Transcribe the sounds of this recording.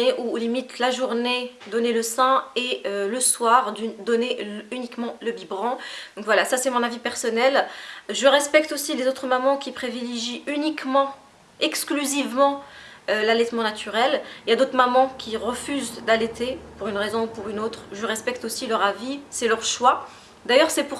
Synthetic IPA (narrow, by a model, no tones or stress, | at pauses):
eʔulimit̪laʒuʁned̪ɔneləsɛ̃eøləswaʁd̪d̪ɔneynikmɑ̃ləbibʁɑ̃d̪ɔ̃kvwalasasɛmɔ̃navipɛʁsɔnɛlʒəʁɛspɛk̚t̪osilezot̪χəmamɑ̃kʲipχivileʒiynikmɑ̃ | ɛksklyzivmɑ̃ | ølalɛt̪mɑ̃nat̪ʰyʁɛliljad̪ot̪χmamɑ̃kʲiʁəfyzd̪alɛt̪epuʁynʁezɔ̃upuʁynot̪χʒəʁɛspɛkt̪osilœʁavisɛlœʁʃwa | d̪ajœʁsɛpuʁ